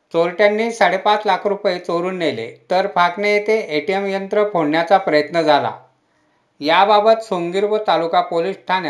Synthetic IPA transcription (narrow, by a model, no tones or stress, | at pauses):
t͡soɾʈjanːiːsaɽepat͡slakʰɾupet͡soɾuːnːelḛt̪əɾfʰaknejet̪eʔeʈiemjənt̪ɾəpʰoɽɳjat͡sapɾəjət̪nəd͡zʱala̰ | jababət̪suŋɡiɾʋət̪alukapoliːsʈʰana